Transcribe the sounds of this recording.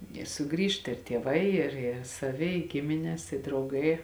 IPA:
ɪ sʊˈɡrʲiːʃt ɪr tʲiɛˈʋɐɪ ɪr ɪr sɐˈʋʲɪ ɪ ˈɡʲɪmʲɪnʲɛs ɪ drɐʊˈɡɐɪ

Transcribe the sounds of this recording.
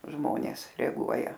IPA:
ˈʒmoːnʲeːs rʲɛɐˈɡuɔjɛ

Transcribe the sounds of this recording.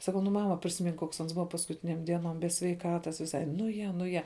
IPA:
sɐˈkɐʊ ˈnʊ ˈmɑːmɐ pʲrʲɪsʲɪˈmʲɪŋk ˈkoːks ˈɐns ˈbʊʋɐ pɐskʊˈtʲɪnʲeːm ˈdʲiɛnoːm bʲɛ sʲʋʲɛɪˈkɑːtɐs ʋʲɪˈsɐɪ ˈnʊ ˈjɛ ˈnʊ ˈjɛ

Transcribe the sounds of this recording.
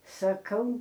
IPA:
sɐˈkɐʊ

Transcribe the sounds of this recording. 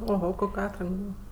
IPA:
oːˈɣoː ˈkoːkʲ ˈɑːtrɐŋk ˈbuːʋɐ

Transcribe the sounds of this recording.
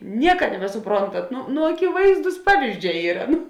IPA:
ˈnʲiɛkɐ nʲɛbʲɛsʊˈproːntɐt ˈnʊ nʊ ɐkʲɪˈʋɐɪzduːs ˈpɑːʋʲiːzʲˌd͡ʒʲɛː ˈiːrɐ ˈnʊ

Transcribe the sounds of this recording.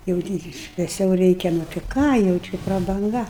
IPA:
jɛʊ ˈtʲiː ʃʲʋʲɛˈsʲɛʊ ˈrʲɛɪkʲɛ nʊ tʲɪ ˈkɑː jɛʊ ˈt͡ʃʲɪ prɐbɐŋˈɡɐ

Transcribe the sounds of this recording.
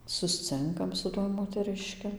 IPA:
sʊsʲˈt͡sʲɪŋkɐm sʊ ˈtuɔj moːtʲɛˈrʲɪʃʲkʲɪ

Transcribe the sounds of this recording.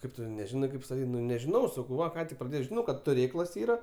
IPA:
ˈkɐɪp tʊ nʲɛˈʒʲɪnɐɪ ˈkɐɪp stɐˈtʲiːtʲ ˈnʊ nʲɛʒʲɪˈnɐʊ sɐˈkɐʊ ˈʋɐ ˈkɑː tʲɪk prɐˈdʲeːjɛʊ ʒʲɪˈnɐʊ ˈkɐt tʊˈrʲeːklˠɐs ˈiːrɐ

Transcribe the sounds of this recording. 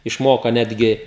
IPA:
ɪʃˈmoːkɐ ˈnʲæːdʲɡʲɪ

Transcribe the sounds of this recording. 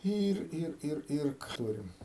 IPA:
ˈiːr ˈɪr ˈɪr ˈɪr ˈtuːrʲɪm

